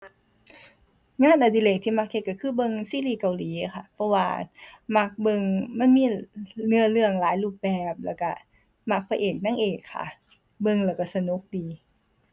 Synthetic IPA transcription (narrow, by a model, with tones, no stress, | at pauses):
ŋaː˧˥˨nʔa˧diː˧˨le˧˩k̚t̪ʰiː˧˩ma˧˥k̚ʔe˧˩ka˧˩kʰɯː˧˩bɤ˧˨ŋsiː˧˨liː˧˩ka˧˨wliː˨˦˧kʰa˧˩pʰɔ˧waː˧ma˧˥˩k̚bɤ˧ŋma˧˥˨nmiː˧˥˨nɯ˧˨əlɯ˧˩əŋlaː˨˦jluː˧˩p̚bɛː˨˩p̚lɛː˧˩wka˧˩ | ma˧˥k̚pʰa˧ʔeː˨˩k̚na˧˥˨ŋʔeː˨˩kʰːa̰˧˩ | bɤ˧ŋlɛ˧˩wka˧˩sa˧no˧˦k̚diː˨˧